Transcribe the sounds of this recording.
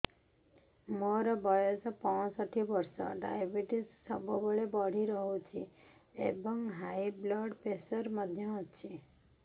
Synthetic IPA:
mɔɾɔbɔjosɔpɔ̃sɔʈʰibɔɾsɔ̰ɖa̰jbiʈissɔbʱɔbɔɭebɔɽ̤iɾɔɦut͡ʃʰiḛbɔŋɡɦajblɔɖpesɔɾmɔd̪ʱjɔt͡ʃʰi

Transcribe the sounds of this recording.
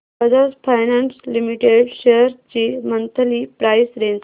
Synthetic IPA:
əd͡zaspʰajnanslimiʈeɽɕejəɾt͡ɕiːmənt̪ʰəliːpɾajsɾent͡s

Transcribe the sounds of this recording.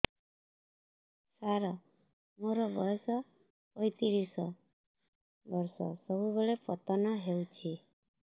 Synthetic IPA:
saɾɔ | moɾɔbɔsɔ | pɔjt̪iɾisɔ | bɔɾsɔ̰sɔbubeɭepɔt̪ɔnɔɦewt͡ʃʰi

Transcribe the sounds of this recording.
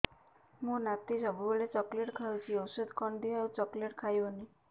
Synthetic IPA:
mũnat̪isɔbuboɭet͡ʃɔkleʈkʰawt͡ʃʰiɔwsud̪ʱkɔɳɖiewt͡ʃɔkleʈkʰajɔni

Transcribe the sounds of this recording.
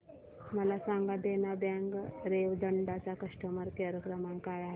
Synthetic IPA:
məlasaŋɡad̪enabaŋɡɾeʋd̪əɳɖat͡ɕakəʂʈəməɾkaɾəkɾəmaŋkajaɦe

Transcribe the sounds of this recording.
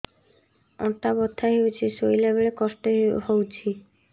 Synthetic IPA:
ɔt̪abɔt̪ʰːaɦewt͡ʃʰisojlabeɭekɔsʈɔɦhowt͡ʃʰi

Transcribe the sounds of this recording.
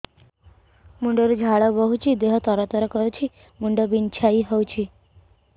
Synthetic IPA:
muɳɖɔɾud͡ʒʱaɭɔbɔɦut͡ʃʰid̪eɦɔt̪ɔɾɔt̪ɔɾɔkɔɾut͡ʃʰi | muɳɖɔbint͡ʃʰaiɦɔwt͡ʃʰi

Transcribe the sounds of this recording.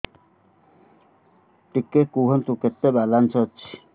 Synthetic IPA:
ʈikekuɦɔnt̪uket̪ːebalansɔt͡ʃʰi̥

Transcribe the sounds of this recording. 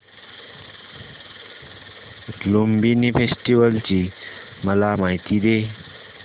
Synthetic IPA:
lombinifesʈiʋəlt͡ɕiːməlamaɦit̪iːd̪e

